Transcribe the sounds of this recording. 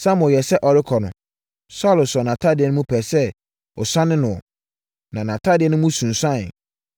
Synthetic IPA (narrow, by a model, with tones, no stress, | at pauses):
sã˦mʊ̃˨jɛ˨sɛ˦ʔɔ˨ɾɪ˦kʰɔ˨nʊ̰̃˨ | sɔ˦˨lʊ˨sɔ˨nã˨tʰa˦˨dɪ˨˦ɛ˦nʊ̃˦mũ˦pʰɛ˨sɛ˦ | ɔ˨sã˦nɪ̃˦nʊ̃˨ɔ̰˨ | nã˨nã˨tʰa˦˨dɪ˨ɛ˦nʊ̃˦mũ˦sũ˨nsã˦˨n˨